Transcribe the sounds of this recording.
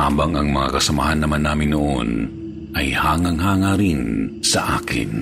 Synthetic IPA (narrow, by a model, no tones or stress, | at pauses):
aːbɐŋɐŋmɐŋa̰kɐsɐma̰ːhanːɐmanːaːmɪnːoʔo̰n | ʔɐjhaːŋaŋɦaːŋaɾɪnsɐʔa̰ːkɪ̰n